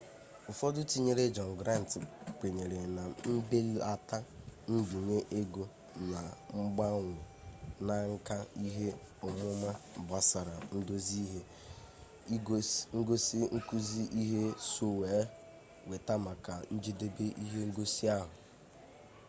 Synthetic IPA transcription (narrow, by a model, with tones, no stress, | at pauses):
ʊ˨fɔ˦dʊ˦ti˦ɲe˦ɾe˦d͡ʒɔ˨n˨ɡɾa˦n˨tk͡pe˨ɲe˨ɾe˨na˨m̩˦be˦la˨ta˦n̩˦bi˨ɲe˦ʔe˦ɡo˦ | na˨ŋ͡m̩˦ɡ͡ba˦ŋʷʊ˨ | na˨ŋ̩˦ka˦i˦ɦe˦ | ʊ˨mʊ˦ma˦˨ba˨sa˨ɾa˨n̩˦do˦zi˦ɦe˦ | ŋ̩˦ɡo˦si˦ŋ̩˦ku˦zi˦ʔi˦ɦe˦so˦weː˨˦ | we˨ta˦ma˨ka˨n̩˦d͡ʒe˦de˦be˦ʔi˦ɦe˦ŋ̩˦ɡo˦si˦a˦ɦʊ˨